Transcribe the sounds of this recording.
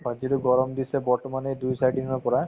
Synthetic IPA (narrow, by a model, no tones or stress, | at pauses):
aziɾʊɡɔɹɔmd̪isɛbɔɹʈɔmanedujsajɖinɔɹpɔɹa